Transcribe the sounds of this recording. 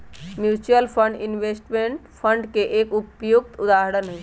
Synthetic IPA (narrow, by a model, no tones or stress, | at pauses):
mjut͡ʃuəlpʰəɳɖinbesʈmeɳʈpʰəɳɖkeʔekupjuk̚t̪ud̪aɦəɽənɦo